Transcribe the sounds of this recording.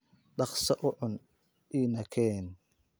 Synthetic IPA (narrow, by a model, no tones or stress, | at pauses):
ɖɑχsɐʔʊʕʊn | ʔiːnɐkʰɛːn